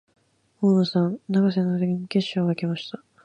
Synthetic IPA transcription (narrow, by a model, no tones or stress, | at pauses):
hoːnosãnnaɡas̬enːoɾeɡʲiɲike̞ɕːoːɡaikemaɕi̥t̪a